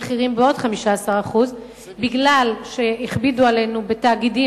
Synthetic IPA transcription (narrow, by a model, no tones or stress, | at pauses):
χiʁimbeo̞dχamiʃaasaʁaχuz | biɡlalʃeiχbiduale̞nube̞t̪aːɡidi